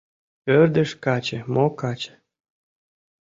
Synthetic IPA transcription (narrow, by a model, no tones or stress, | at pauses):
pørd̪ə̆ʃkɑt͡ɕĕmokɑt͡ɕĕ̥